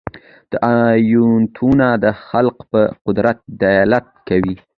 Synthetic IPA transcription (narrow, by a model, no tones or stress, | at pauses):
d̪̥əʔajunt̪ʰunad̪əxalqpəqʊd̪ɾat̪̚d̪ajɑlat̪̚kawi